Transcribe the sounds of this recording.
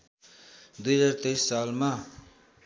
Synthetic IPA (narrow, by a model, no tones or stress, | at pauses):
d̪ujzaɾt̪ejsːalma